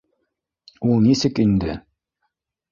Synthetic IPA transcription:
ulˠnisɘkind̪ɘ

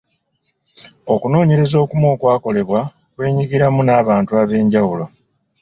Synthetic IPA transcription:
o̞kuno̞ːɲe̞ɾe̞zo̞ːkumwo̞ːkwaːko̞le̞βwa | kwe̞ːɲiɡiɾamunaːβaːntuaːβe̞ːɲɟawulo̞

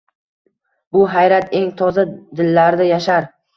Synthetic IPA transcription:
bʊɦajɾat̪e̞ŋt̪ʰɒzad̪ɪlːaɾd̪ajaʃaɾ

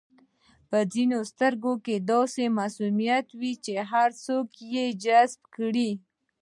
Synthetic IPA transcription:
pəzinost̪əɾɡoked̪ɑsemasumijat̪wit͡ʃeɦaɾsokjed͡ʒazb̚kɽi

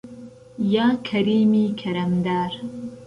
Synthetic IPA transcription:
jaːkʰɐɾiːmiːkʰɐɾɐmd̪aːɾ

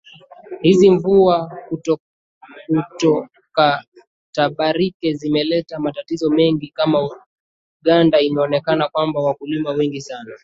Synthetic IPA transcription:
hiziɱvuaku | kutɔ | ka | taɓaɾikɛzimɛlɛtamatatizɔmɛŋɡikama | uɠandainaɔnɛkanakwambawakulimawɛŋɡisana

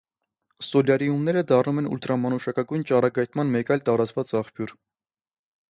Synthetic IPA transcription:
sɔljɑɾiumnɛɾəd̪ɑrnumɛnṵlt̪ɾɑmɑnuʃɑkɑɡujnt͡ʃɑrɑɡɑjt̪ʰmɑnmɛkɑjlt̪ɑɾɑt͡svɑt͡sɑχpʰjuɾ

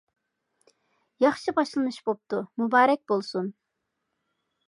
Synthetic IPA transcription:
jɑχʃɨbɑʃlˠɨnɨʃbop̚t̪umubɑːɾɛk̚ʲbolˠsun

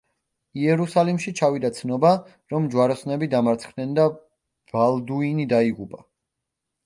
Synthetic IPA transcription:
iɛɾusalimʃit͡ʃʰavid̪at̪sʰnɔba | ɾɔmd͡ʒwaɾɔsnɛbid̪amaɾt̪sʰχdnɛnd̪a | v̥alˠd̪uinid̪aiʁubʼa

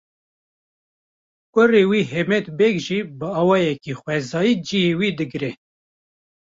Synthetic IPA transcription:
kʷʊrewiːɦemɛt̪bɛkʒiːbɨɑːwɑːjɛkixwɛzɑːjiːd͡ʒihewiːd̪ɨɡɾɛ

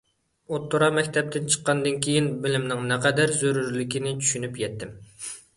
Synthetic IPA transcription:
ot̪ʰːoɾɑmɛkʲt̪ʰɛp̚t̪ʰɪnt͡ʃʰə̥qːɑnd̪ɨnkʲʰejinbɪlɪmnɪŋnɛqʰɛd̪æɾzøɾyɾlykʲinɪt͡ʃʰy̥ʃynypjɛt̪ʰːɪm

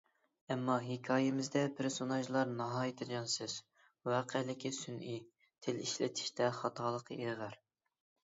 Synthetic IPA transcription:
ɛmːɑɦikʲʰɑːjɪmɪzd̪ɛpʰɪɾsonɑʒlˠɑɾnɑɦɑːjit̪ʰɪɡʲɑnsɨz̥ | wɑːqʰelɪkʲʰisynʔi | t̪ʰeliʃlɪ̰t̪ʰi̥ʃt̪ʰɛχɑt̪ʰɑːlˠəqʰeʁæɾ

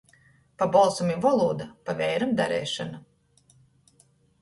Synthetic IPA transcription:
pabɔlˠsɔmivɔlˠuːd̪apavʲɛjɾamd̪a̰ɾɛ̰ːʃana

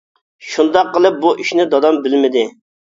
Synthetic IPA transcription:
ʃund̪ɑqːəlˠɨp̚buʔiʃnɪd̪ɑd̪ɑmbɪlmɪd̪ɪ

